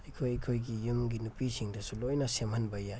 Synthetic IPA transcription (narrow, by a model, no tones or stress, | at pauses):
ɐjkʰojɐkʰojɡijumɡinupisiŋdɐsulojnɐsemhɐnbɐja